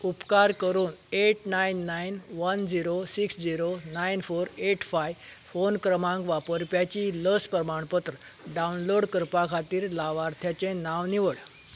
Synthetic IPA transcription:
upkaɾkəɾuːneʈnainːainʋənd͡ʑiɾosiksd͡ʑiɾonainfoɾeʈfajfonkɾəmãŋkʋapəɾpjat͡ɕiːləspɾəmaɳpət̪ɾə | ɖaunloɽkəɾpakʰat̪iːɾlaʋaɾt̪ʰjat͡ɕẽnaʋniʋəɭ

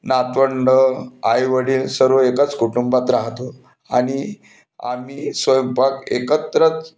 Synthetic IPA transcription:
nat̪ʋəɳɖəajʋəɽiːlsəɾoekət͡skuʈumbat̪ɾaɦt̪o | a̰ɽ̃i | a̰miːsʋəjəmpakḛkət̪ɾət͡s

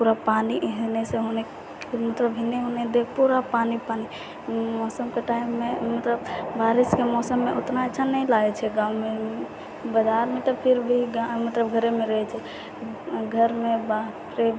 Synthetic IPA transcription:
puɾapaniɦeneseɦone | mət̪ləbɦineɦoned̪epuɾapanipani | mɔsəmkeʈaimːemət̪ləbbaɾiskemɔsəmːeʔot̪naeːt͡ʃʰanəlaɡɛt͡ʃʰɛɡãume | bəd͡ʒaɾmet̪əpʰiɾbʱiɡmət̪ləbɡʱəɾemeɾəɦɛt͡ʃʰɛ | ɡʱəɾmebat̪ɾe

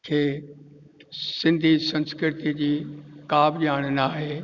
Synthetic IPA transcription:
kʰeː | sɪ̃nd̪ʱisɐ̃nskɾɪt̪id͡ʑiːkaːbʄaːɽ̃ənaːɦeː

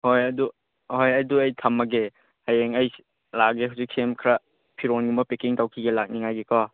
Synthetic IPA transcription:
hojɐdu | hojɐduɐjtʰɐmːɐɡe | hajeŋɐj | laɡeɦuwzik̚sʰemkʰɾa | pʰiɾonɡumɐpekiŋtawkʰiɡelak̚niŋajɡekɔ

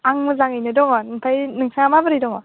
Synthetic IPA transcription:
aŋmɯzaŋɯjnɯdɔŋɔnɯŋpʰajnɯŋsʰaŋamabɯɾijdɔŋɔ

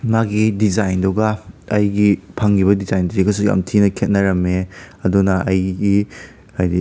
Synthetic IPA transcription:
maɡidizajndɔɡɐɐjɡipʰaŋɡiβɐdizajndɾikɐsuɡa̰mtʰinɐkʰet̚nɐɾɐmeɐdunɐʔɐjɡi | ajdi

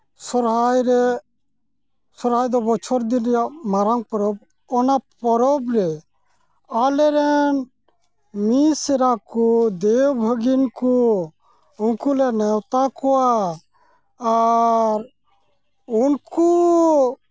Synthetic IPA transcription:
sɔɾɦajɾɛ | sɔɾɦajd̪ɔbɔt͡ʃʰɔɾd̪inijaʔmaɾaŋpɔɾɔb̚ | ɔnapɔɾɔbɾɛ | alɛɾɛn | misɛɾakud̪ewbʱəɡinku | unkulɛnɛwt̪akɔwa | ɾ | unku

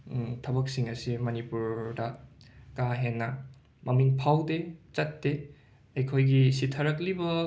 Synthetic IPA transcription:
tʰɐbɐk̚siŋɐsimɐnipuɾdɐ | kaɦenːɐ | mʔɐmiŋpʰawdet͡ʃɐtːe | ɐjkʰojɡisitʰɐɾɐklibɐ

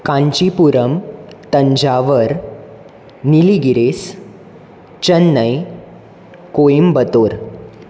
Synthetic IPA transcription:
kãɲt͡ɕipuɾəmt̪əɲd͡ʑaʋəɾ | niliɡiɾes | t͡ɕənːəj | koimbət̪oɾ

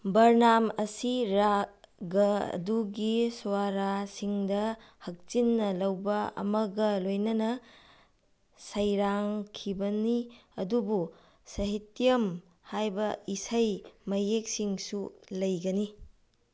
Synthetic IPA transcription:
bɐɾnamɐsiɾaɡɐɐ̰duɡiswaɾasiŋdɐ | hɐk̚t͡ʃinːɐlɐwbɐɐ̰mɐɡɐlojnɐnɐ | sɐjɾaŋkʰibɐniɐdubu | sɐɦitjɐm | hajbɐisɐjmɐjek̚siŋsulɐjɡɐni

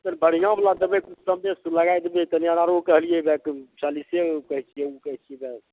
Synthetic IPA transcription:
t̪ənbəɽ̤ijãmlad̪əbẽkut͡ʃʰsəmnesləɡajd̪bet̪ənijanaɾokəɦlijɛbɛkt͡ʃalisekəɦt͡ʃʰiɛukəɦt͡ʃʰijɛbɛ

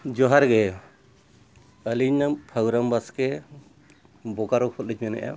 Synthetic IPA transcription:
d͡ʒɔɦaɾɡɛ | əliɲnapʰaɡɾambaskɛ | bɔkaɾɔkʰɔt̪̚lid͡ʒmɛnɛ̰ʔa̰

